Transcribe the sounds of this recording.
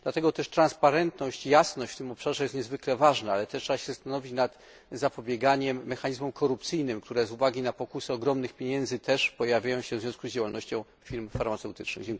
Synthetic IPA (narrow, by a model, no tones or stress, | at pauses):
d̥̪lat̪ɛɡɔt̪ɛʂt̪ɾanspaɾɛnt̪nɔɕt͡ɕijasnɔɕt͡ɕʲft̪ɘmɔpʂaʐɛjɛst̪̚ɲɛzvɘklɛvaʐnaalɛt̪ɛtːʂɛbaɕɛzɛst̪anɔvʲit͡ɕnat̪ | zapɔbʲjɛɡaɲɛmːɛxaɲizmɔmkʰɔɾupt̪sɘjnɘmk̚t̪uɾɛzuvaɡʲinapɔkusɛɔɡɾɔmnɘxpʲjeɲɛnzɘt̪ɛʂpɔjavʲjajɔ̃w̃ɕɛvzʲjɔ̃skuzd͡ʑawalnɔɕt͡ɕɔ̃w̃ | fʲiɾmfaɾmat̪sɛwt̪ɘt͡ʂnɘ̰ɣd͡ʑɛŋk